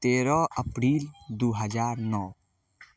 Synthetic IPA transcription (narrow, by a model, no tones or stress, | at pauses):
t̪eːɾɔəpɾiːld̪uɦəd͡ʒaːɾnɔː